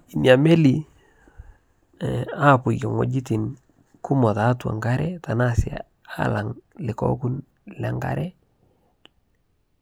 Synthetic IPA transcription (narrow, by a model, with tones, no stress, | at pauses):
i˨nja˨me˦li˨ | a˦˨pʊ˨jɛ˨ŋwo̰˨d͡ʒi˦ti˨n | kʊ˦mɔ˨ta˨˦twa̰˨ŋɡa˦ɾɛ˦ta˨na˦sa̰˨ | a˦˨la˨ŋlɪ˨kɔ̰˦kʊ˦n | lɛ˨ŋɡa̰˦ɾɛ˦